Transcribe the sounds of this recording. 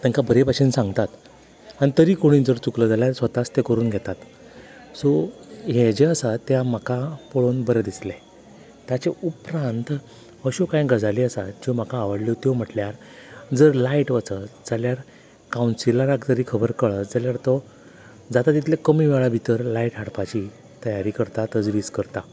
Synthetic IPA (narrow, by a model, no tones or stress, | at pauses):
t̪ə̃ŋkabʱəɾepaɕinsãŋɡt̪at̪ | aɽ̃it̪əɾiːkoɽ̃iːd͡zəɾt͡sukləd͡zaljaɾsʋət̪ast̪ekəɾuːnɡʱɛt̪at̪ | sɔɦed͡ʑeəsat̪ːjamakapoɭoːnbəɾəd̪isle | t̪jat͡ɕeupɾant̪ | əɕokãjɡəd͡zaliːəsad͡ʑim̤akaːʋəɽlit̪jom̤əʈljaɾ | d͡zəɾlaiʈʋət͡səd͡zaljaɾ | kawunsilaɾakd͡zəɾiːkʰəbəɾkəɭəd͡zaljaɾt̪ɔ | d͡zat̪at̪it̪lekəmiːʋɛɭabʱit̪əɾlaiʈɦaɽpat͡ɕi | t̪əjaɾiːkəɾt̪at̪əd͡zɾiːskəɾt̪a